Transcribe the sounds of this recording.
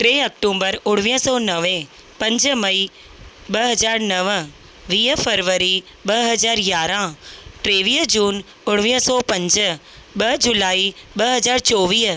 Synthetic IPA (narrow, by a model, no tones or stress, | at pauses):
ʈɾeːɐk̚ʈõːmbəɾʊɽ̃ʋiɦsɔːnɐʋẽ | pɐ̃ɲd͡ʒmɐi | ɓəɦɐd͡ʒaːɾnəʋ | ʋiːɦfʰəɾʋəɾi | ɓəɦɐd͡ʒaːɾjjaːɾãʈɾeːʋiːɦd͡ʒuːn | ʊɽ̃ʋĩɦsɔpɐ̃ɲd͡ʒə | ɓəd͡ʒulaːiɓəɦɐd͡ʒaːɾt͡ʃɔːʋiːɦ